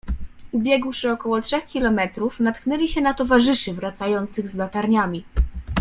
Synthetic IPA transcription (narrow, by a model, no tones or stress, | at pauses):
ubʲjɛɡwʂɘɔkɔwɔtʂɛxkʲilɔmɛt̪ɾufnat̪knɛlʲiɕɛnat̪ɔvaʐɘʂɘvɾat̪sajɔnt̪sɘɣzlat̪aɾɲamʲi